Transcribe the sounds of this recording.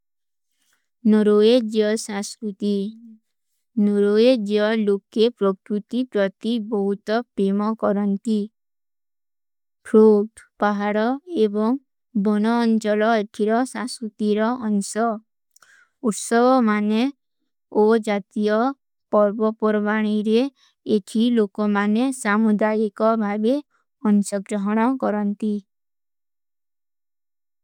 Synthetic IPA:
nɔɾoed͡ʒiɔsãskɾut̪i | noɾoed͡ʒiɔlokepɾɔkɾut̪ipɾɔt̪ibɔɦut̪ɔpɾemɔkɔɾɔnt̪i | pʰɾoʈpaɦaɽɔebɔŋ | bɔñɔːnt͡ʃɔlɔeʈʰiɾɔsãskut̪iɾɔʔːnsɔ | uʈsɔɡɔmane | od͡ʒat̪ijɔ | pɔɾbɔpɔɾbaɽ̃iɾeː | ʈʰilokɔmanesamud̪ajikɔbʱabe | ɔnsɔɡɾɔɦɔɽ̃ɔkɔɾɔnt̪i

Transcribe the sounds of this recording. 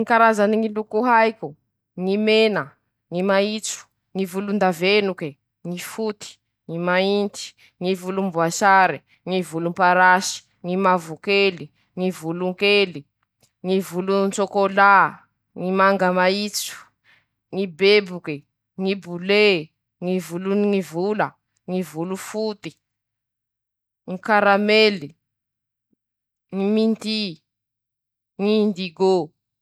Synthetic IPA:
ikaɾazaniŋilukuɦajku | ŋimena | ŋimait͡su̥ | ŋivulund̪avenuke | ŋifut̪i̥ | ŋimaint̪i̥ | ŋivulumbwaʃaɾi | ŋivulumpaɾaʃi̥ | ŋimavukeli | ŋivuluŋkeli | ŋivulunt͡sokola | ŋimaŋɡamait͡su̥ | ŋibebuke | ŋibule | ŋivuluŋivula | ŋivulufut̪i | ŋikaɾameli | ŋiminti | ŋindiɡo

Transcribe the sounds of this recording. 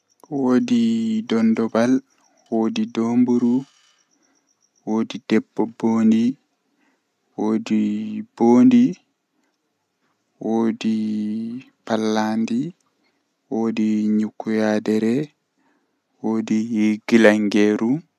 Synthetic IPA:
woːdidɔndɔbal | woːdidoːmbuɾu | woːdidɛbːɔboːndi | woːdib̥oːndi | woːdi | palːandi | woːdiɲukːujadɛɾɛ | woːdihiɡilaŋɡeːɾu

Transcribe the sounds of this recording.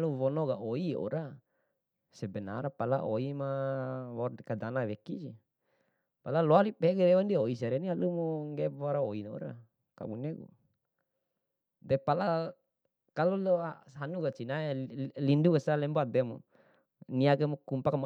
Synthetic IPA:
luwɔnɔɡaoiɔ̰ɾa | sɛbɛna̰ɾapalaʔoimawɔdɛkadanawekid͡ʒi | palaloalipɛɡeɾɛwandioiseɾɛnialumoŋɡebaɾaoinao̰ɾa̰ | ka̰buneɡṵ | dɛpala | kaluloaɦanuɡat͡ʃinaelinduɡasalɛmbɔad̪ɛmo | niakɛmokumpakm

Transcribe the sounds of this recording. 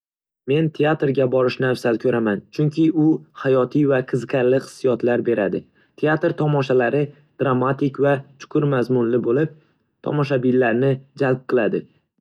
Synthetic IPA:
me̞nt̪ʰeat̪ɾɡʲabɒɾɪʃnafsalkʲʰɵɾamant͡ʃʰʊŋkʲʰɪʊhajɒt̪ʰijvaqʰɨzqʰʲaɾlɪχɨ̥sːijɒt̪laɾbe̞ɾad̪ɪ | t̪ʰeat̪ɾt̪ʰɒmɒʃalaɾɪ | d̪̥ɾamːat̪ɪkʲvat͡ʃʰʊ̥qʰʊɾmazmʊnlɪbolɪp̚ | t̪ʰɒ̰mɒʃ̬abɪlːaɾnɪd͡ʒalp̚qʰɨlˠad̪ɪ

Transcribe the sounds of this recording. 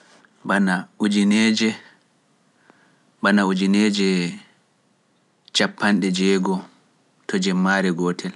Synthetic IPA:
banaud͡ʒinɛːd͡ʒɛ | banaud͡ʒinɛːd͡ʒɛ | t͡ʃapːanɗɛd͡ʒɛːɡɔ | tʰɔd͡ʒɛmːaːɾɛɡɔːtʰɛl

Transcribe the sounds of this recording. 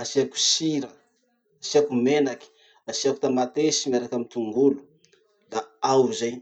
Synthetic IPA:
asiaku̥siɾə | asiakumenaki̥ | asiaku̥t̪amat̪esimaɾakamit̪uŋɡulu̥ | d̪aawzaj

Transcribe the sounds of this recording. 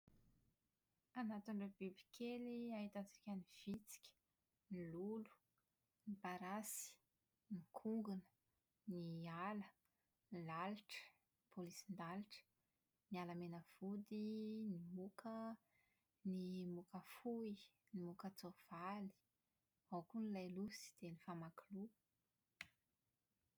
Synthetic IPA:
anat̪unɖ͡ʐebibi̥kʰeliaɦit̪at͡si̥kʲaniv̥it͡si̥kʲə̥ | nilulu̥ | nipaɾasi̥ | nikʰuŋɡunə̥ | nialə | lalʈ͡ʂə̥ | nipolisind̪alʈ͡ʂə̥ | nialəmenəv̥ud̪inimukʰə | nimukəfui | nimukət͡sov̥ali̥ | awkunilajlusi̥d̪̥enifamakulu

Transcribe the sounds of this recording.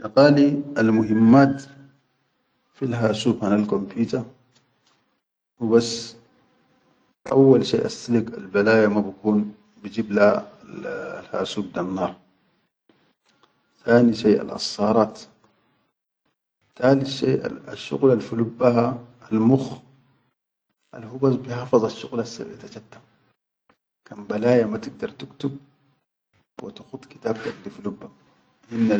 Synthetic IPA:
jɑqaːlialmʊɦimːaːt̪ | filɦaːsuːbhanalkompjuːt̪a | wibasː | ʔa̰wːalʃḛːʔast̪alika̰lbalaːjamabakuːn | bid͡ʒiːbla | lha̰ːsuːb̚d̪anːɑːɾˤ | θaːniʃeːʔa̰lʔɑ̰sˤːɑːɾˤɑːt̪ | t̪aːliʃeːʔaʃːʊ̰ɣlalfulubːaɦaalmux | ʔa̰lhubazbiħɑfɑzˤɑʃːʊɣlasːa̰bʕit̪at͡ʃat̪ːḁ | kanbalaːjamat̪ɪɡ̚d̪ɑɾˤt̪ɪkt̪ub̚ | wḭt̪ḁxʊt̪ˤki̥t̪aːbt̪ad̪ifulubːa | ʔinːa

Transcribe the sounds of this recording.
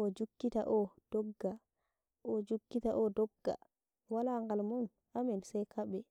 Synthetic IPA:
ʔɔd͡ʒukːita̰ʔɔd̥ɔɡːa | ʔɔd͡ʒukːitaʔɔdɔɡːa̰ | walaŋɡalmɔn | ʔamɛnsajkʰaɓɛ

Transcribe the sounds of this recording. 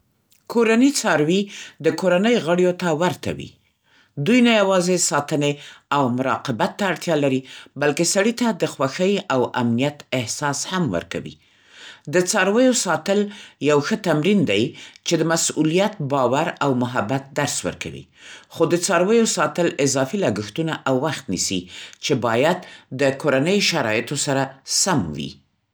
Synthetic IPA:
kʰoɾanit͡sɑɾwid̪əkoɾanəjɣəɽjot̪awaɾt̪ʰa̰wḭ | d̪ujnajawɑzesɑt̪əneawmʊɾɑ̰qɪbat̪ːaːɽt̪jɑlaɾibalkesaɽit̪ad̪əxwaxəjawa̰mnijat̪ɪhsɑshamwə̰ɾka̰wḭ | d̪ət͡sɑɾwəjosɑt̪əljawxət̪amɾind̪ajt͡ʃed̪əmasulijat̪̚bɑwaɾawmʊɦabat̪̚d̪aɾswə̰ɾka̰wḭxod̪ət͡sɑɾwəjosɑt̪əlɪzɑfilɑɡəxt̪unaʔawːaxt̪nisḭt͡ʃebɑjad̪ːəkoɾanəjʃaɾɑjɪt̪osaɾasamwḭ

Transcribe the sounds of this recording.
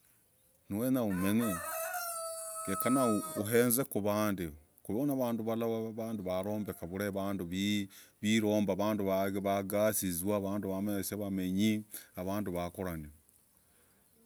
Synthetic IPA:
nuwenaumene | ekanauuɦeːnzekuβaːndi | kuβonaβaːnduβalaβaβaːnduβaɾo̞ːmbekaβuɾeβaːnduβiβiɾoːmbaβaːnduβaβaɡasizwaːβaːnduβameseβameɲiaβaːnduβakoɾani

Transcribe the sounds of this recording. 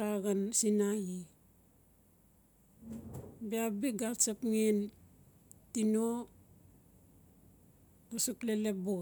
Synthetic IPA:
aɣansinaji | biabiɡasapŋen | tino | ɡusuklele̞p̚buɣ

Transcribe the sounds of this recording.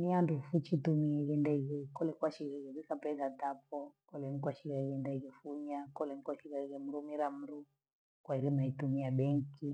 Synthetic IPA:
niandufut͡ʃitumiɛɣɛndaɣɛkɔlɛkwaʃiɣɛɣɛβikapɛɡatap̚ɔkɔlɛŋikwaʃiɣaɣɛndaɣɛfuɲakɔlɛŋikwaʃiɣaɣɛm̩ɾumiɾam̩ɾu | kwaiɾimaitumiaɓɛŋki

